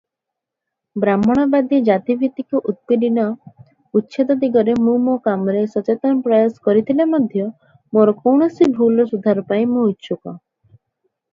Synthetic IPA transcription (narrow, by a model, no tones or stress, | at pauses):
bɾamɔɽ̃ɔbad̪id͡ʒat̪ibʱit̪ikuʔut̪̚piɖinɔ | utːʃʰed̪ɔd̪iɡɔɾemũmokamɔɾesɔt͡ʃet̪ɔnɔpɾɔjɔsɔ̥kɔɾit̪ʰilamɔd̪ʱjɔ | moɾɔkɔwɳ̃ɔsibʱulɔsud̪ʱaɾɔpaĩmũɦut͡ʃʰukɔ